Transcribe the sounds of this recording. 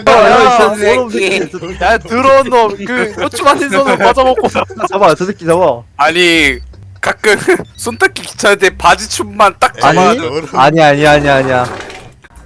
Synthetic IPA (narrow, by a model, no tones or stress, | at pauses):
atɯɾʌnʌkɯsot͡ɕʰumanʰinsʰʌnɯpad͡ʑʌbʌk͈osʰat͡ɕamajotɯdɯk͈ːit͡ɕabaaɲi | kak͈ɯŋsʰontʰak͈iki̥t͡ɕʰadepad͡ʑit͡ɕʰumːant͈ak̚aiaɲiaɲiaɲiaɲia